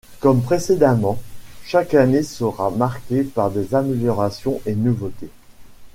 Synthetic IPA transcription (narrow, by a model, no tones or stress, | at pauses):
kɔmpχesed̪amɑ̃ʃakanesəʁamaʁkʲepaʁd̪ezameljɔʁasjɔ̃ʔenuvot̪e